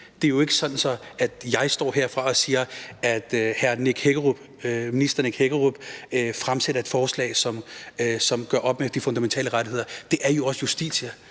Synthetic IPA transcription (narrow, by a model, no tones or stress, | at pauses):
d̥e̝æɐjo̝e̝ɡ̥əsɒ̽n̥n̩sɒ̽æd̥jɑ̈ɪsd̥ɒ̰ːɦeɐfʁɑ̈ɒ̽siːɐæd̥hæɐneɡ̥heɡ̥ʁub̥ | minisd̥ɐneɡ̥heɡ̥əʁub̥fʁamseɾɐe̝d̥fɒːslɛ̰ːɪsɒ̽msɒ̽mɡ̥ɶɐ̰ʔɒ̽b̥mefd̥ifɔ̽nd̥æment͡sʰɛ̰ːləʁaɾ̥ihe̝ðˠɐd̥e̝ʔæɐjo̝ɒ̽səjusd̥ḭːɕɐ